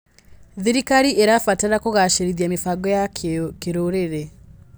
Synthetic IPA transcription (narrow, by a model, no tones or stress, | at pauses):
ðiɾikaɾiʔeɾafataɾakoɣaʃeɾiðiamifaɡɔjakeɾoɾeɾe